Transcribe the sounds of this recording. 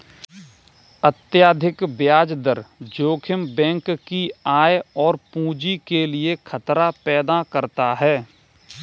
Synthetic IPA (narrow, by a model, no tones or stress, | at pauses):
ət̪jaːd̪ʱɪkbjaːd͡ʒd̪əɾd͡ʒoːkʰɪmbɛ̃ːŋkːiaːjɔːɾpũːd͡ʒikeliekʰət̪ɾapɛːd̪akəɾt̪aɦɛː